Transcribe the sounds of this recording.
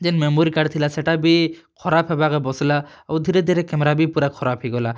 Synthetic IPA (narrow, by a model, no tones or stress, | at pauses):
d͡ʒɛnmemoɾikaɖt̪ʰilasɛʈabikʰɔɾapʰɦɛbakɔbɔslaː | wd̪ʱiɾed̪ʱiɾɛkɛmɾabipuɾakʰɔɾapʰhiɡɔla